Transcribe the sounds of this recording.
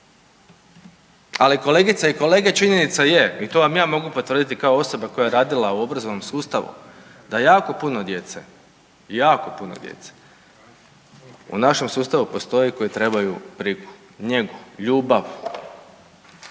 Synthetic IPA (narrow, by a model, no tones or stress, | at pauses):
aliko̞le̞ɡit̪saiko̞le̞ːɡet͡ʃiɲenit̪sajeit̪o̞ʋamjaːmo̞ɡupot̪ʋɾr̩d̪it̪ikaoo̞so̞bako̞jajeɾaːd̪ilauo̞bɾazonomsuːst̪aʋṵ | d̪ajaːko̞punod̪je̞t̪se | jaːko̞puno̰d̪jḛt̪se̥ | ṵnaʃe̞msuːst̪aʋupo̞st̪o̞jiko̞jit̪ɾe̞bajupɾiku̥ | ɲe̞ɡuʎuːbaʋu